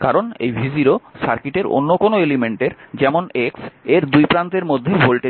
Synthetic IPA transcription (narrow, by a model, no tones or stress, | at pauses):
kaɾonḛjbʱiziɾosaɾkiʈeɾo̰nːokonoelimeɳʈeɾd͡ʑɛmonekseɾd̪ujpɾant̪eɾmod̪ʱːebʱolʈe